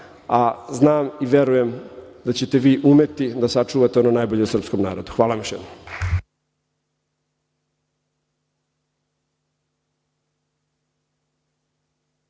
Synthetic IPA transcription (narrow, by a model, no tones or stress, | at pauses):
aznaːmiʋjeɾuje̞md̪at͡ɕe̞t̪eʋiːʔumet̪id̪asat͡ʃuːʋat̪eo̞nonajboʎe̞usr̩pskomnaːɾo̞d̪uxʋaːlamoʃjed̪no